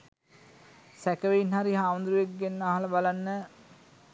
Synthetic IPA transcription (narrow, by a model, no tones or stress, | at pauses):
sækəʋeinɦaɾiɦaːʋənd̪ɾuʋek̚ɡenːaːɦaləbalanːə